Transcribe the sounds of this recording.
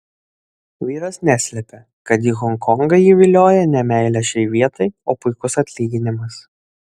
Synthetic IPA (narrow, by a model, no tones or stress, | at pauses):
ʋʲiːɾɐsnʲæsʲlʲɛpʲɛ | kɐt̪jiːɣɔŋkɔŋɡɐjiːʋʲɪlʲoːjɛnʲɛmʲɛɪlʲɛʃʲɛɪʋʲiɛt̪ɐɪoːpʊɪkʊsɐt̪ʲlʲiːɡʲɪnʲɪmɐs